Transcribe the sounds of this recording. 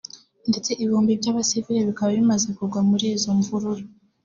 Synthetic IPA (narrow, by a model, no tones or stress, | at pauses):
nde̞t͡se̞ʔiβuːmbibɟaːβasiviɾeβikaβaβimaze̞kuɾɡwamuɾiːzo̞ɱvuɾuɾo